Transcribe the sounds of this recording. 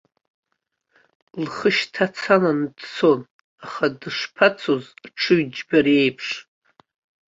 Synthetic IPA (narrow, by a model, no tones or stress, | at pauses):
lχəʃtʰat͡sʰaland̥sʰon | aχadɨʂpʰat͡sʰozʈ͡ʂʰɨɥd͡ʒbaɾe̞jpʰʂ